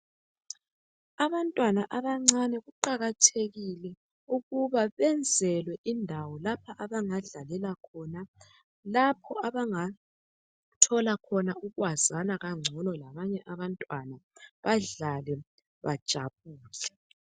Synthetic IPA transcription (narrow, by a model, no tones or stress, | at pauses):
aβantʼwanaʔaβaŋ͡ǀanɛɣuǃaɣatʰeɣilɛ | uɣuβaβɛnd͡zʱɛlwɛʔindʱawɔlapʰaʔaβaŋaɮalɛlakʰɔna | lapʰɔaβaŋa | tʰɔlakʰɔnauɣwazanaɣaŋ͡ǀʱɔnɔlaβaɲɛʔaβantʼwanaβaɮalɛ | βad̥ʒ̥ʱa̰βuːlɛ